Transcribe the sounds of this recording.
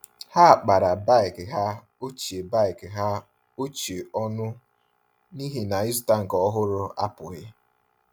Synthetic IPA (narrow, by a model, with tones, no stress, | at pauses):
ha˦a˨k͡pa˨ɾa˨ba˦ɪ˨kɪ˨ɦa˦ | o˦t͡ʃe˨ba˦˨ɪ˨kɪ˨ɦa˦ | o˦t͡ʃe˨ɔ˦nʊ˦ | ni˦ɦi˦na˨ɪ˦z̬ʊ˦ta˦ŋ̩˨kɔ˦ɦʊ˦ɾʊ˦a˦pʊ˨ɣɪ˦